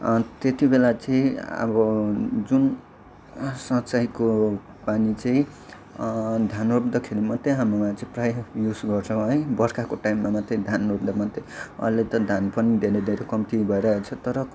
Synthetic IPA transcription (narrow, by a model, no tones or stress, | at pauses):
t̪et̪ibelat͡sʌĩʌ̰bʌd͡zun | sʌ̃t͡sajko | panit͡saĩ | d̪ʱjanrobd̪ʌkʰelimʌt̪ːeɦamumat͡sʌĩprajjusɡʌrt͡sʰʌ̃ɦʌebʌɾkakoʈajmːamat̪ʌĩd̪ʱanrobd̪amʌt̪eʌ̰let̪ʌd̪ʱjanpʌnid̪ʱeɾed̪ʱeɾekʌmt̪ibʱʌeɾʌɦet͡sʰʌt̪ʌɾʌ